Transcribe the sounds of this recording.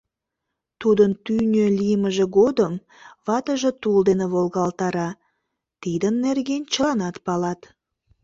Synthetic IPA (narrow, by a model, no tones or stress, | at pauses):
t̪ud̪ənt̪ynʲølʲijəməʒĕɣod̪əm | βɑt̪əʒet̪uld̪eneβolɣɑlt̪ɑɾɑ | t̪id̪ənːerɣenʲt͡ɕəlɑnɑt̪pɑlɑt̪